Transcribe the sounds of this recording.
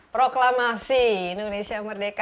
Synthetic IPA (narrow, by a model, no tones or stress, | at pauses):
pɾoklamasiːndonesiajmərdeka